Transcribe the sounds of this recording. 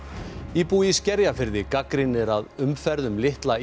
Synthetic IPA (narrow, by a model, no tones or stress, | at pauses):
ipuːjiscɛɾjafɪɾðɪkakɾɪnːɪɾaðʏmfɛɾðʏmlɪht̪la